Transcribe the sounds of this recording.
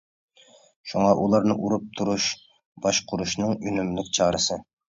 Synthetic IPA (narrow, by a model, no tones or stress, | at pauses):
ʃuŋɑʔulˠɑɾnɨʔuɾup̚t̪ʰuɾuʃ | b̥ɑʃqʰʊɾuʃnɨŋynymlɪkʲt͡ʃʰɑːɾɨsɨ